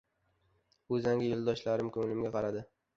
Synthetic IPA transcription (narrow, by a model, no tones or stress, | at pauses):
ɵzaŋɡʲɪjolˠd̪ɒʃlaɾɪmkʰɵŋɪlɪmɡʲaqʰɑɾad̪ɪ